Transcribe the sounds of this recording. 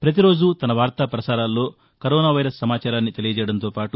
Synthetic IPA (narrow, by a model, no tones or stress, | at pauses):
pɾɐt̪̬iɾo̞ːd͡ʒut̪ɐnɐʋaːɾt̪aːpɾɐsaːɾaːlːo̞ː | kɐɾɔːnaːʋɐjɾɐsːɐmaːt͡ʃaːɾaːnːit̪e̞lijɐd͡ʒɛjɐɽɐnt̪oːpaːʈu